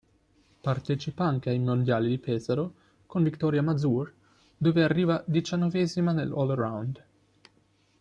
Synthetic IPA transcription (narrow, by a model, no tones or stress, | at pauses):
part̪ɛt͡ʃipaaŋkeajmond̪jaːlid̪ipʰɛːzaɾo | konvikt̪ɔːɾjamad̪zur | d̪oːvearːiːvad̪it͡ʃanːɔvɛːzimanḛlɔlrawnd̪